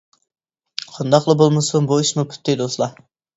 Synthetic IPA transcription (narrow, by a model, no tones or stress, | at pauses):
qʰɑnd̪ɑqlˠɨbolˠmɨsunbuiʃmupʰy̥t̪ʰːɪd̪oslˠɑ